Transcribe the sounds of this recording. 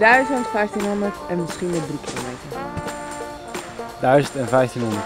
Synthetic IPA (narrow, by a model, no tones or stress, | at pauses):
d̥œɥzəntfɛjftinɦɔndərtɛnmɪsχinmɛdrikilo̰mejtər | dœɥzəntɛnvɛjftinɦɔndə